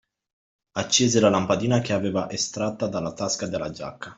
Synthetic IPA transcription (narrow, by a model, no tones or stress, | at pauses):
at͡ʃːeːzelalampad̪iːnak̟eaveːvaʔest̪ɾat̪ːad̪alːat̪askad̪elːa̰d͡ʒa̰kʰːa